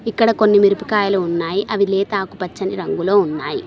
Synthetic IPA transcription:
ikːɐɽɐko̞nːimiɾupikaːjɐluːnːaːjiʔɐʋileːt̪aːkupɐt͡ʃːɐniɾɐŋɡulo̞ːunːaːji

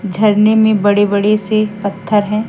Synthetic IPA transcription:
d͡ʒʱɐɾnemẽbɐɽebɐɽesepɐt̪ʰːəɾɦɛ̃ː

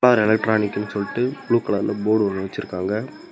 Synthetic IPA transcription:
aːðɐɾɛlɐk̚ʈɾaːnɪkːɐnːɯsɔlːɪʈːɯbɭuːkːɐɭɐnːɐboːɽɯʋɐnːɯʋɐt͡ʃːɪɾɯkːaːŋɡɐ

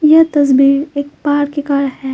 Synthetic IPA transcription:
jɐt̪ɐs̬biːɾeːk̚paːɾkekaːɾhɛː

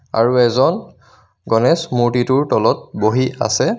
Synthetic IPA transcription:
a̰ɹuɛzɔn | ɡɔnɛsmuɹtituɹtɔlɔt̚boɦiʔa̰sɛ

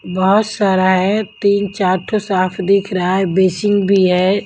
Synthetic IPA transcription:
bɐɔɦʊt̪saːɾaɦɛt̪iːnt͡ʃaːɾʈʰosaːpʰd̪ɪkʰɾɐɦaɦɛbeːsɪ̃ŋɡbʱiɦɛː

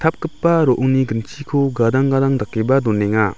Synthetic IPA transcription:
t̪ʰap̚kɯpːaɾɔʔuniɡənt͡ʃʰikʰuɡad̪aŋɡad̪aŋd̪akːebad̪ɔnɛŋa

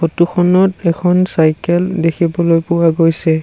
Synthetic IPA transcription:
xotukʰɔnɔtɛkʰɔnsajkɛldekʰibɔlojpʊwaɡojsɛ

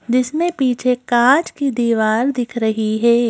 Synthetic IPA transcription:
d͡ʒɪsmẽpiːt͡ʃʰekaːd͡ʒkid̪iːʋaːɾd̪ɪkʰɾɐɦiɦɛː

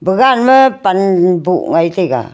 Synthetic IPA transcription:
bəɡanməpanbṵʔŋait̪iɡa̰

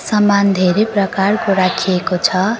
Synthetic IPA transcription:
sʌmand̪ʱeɾeprʌkarkoɾakʰijekot͡sʰʌ

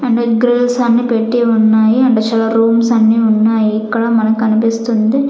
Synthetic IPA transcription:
ɐɳɖoɡɾelsɐnːipeːʈːijɐʊnːaːjiɐɳɖɐt͡ʃɐlɐɾuːmsɐnːiʊnːaːjiːkːɐɽɐmɐnɐkːɐnɯpeːst̪und̪ɯ

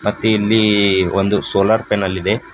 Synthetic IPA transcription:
mɐt̪ːuilːiond̪usoːlɐɾpenɐlːid̪e̞

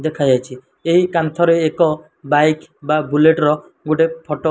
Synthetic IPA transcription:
d̪ekʰajd͡ʒajt͡ʃʰi | eɦikant̪ʰɔɾeːkɔ | bajkbabuleʈɾɔ | ɡoʈepʰɔʈo

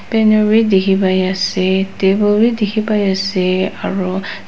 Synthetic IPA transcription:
pɛnɔɹidekʰibajasɛtebɔɹidikʰibajasɛaɹu

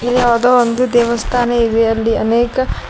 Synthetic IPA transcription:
iliad̪oːond̪ud̪ɛːʋɐst̪ʰaːnɐiʋeɐlːiɐneːkɐ

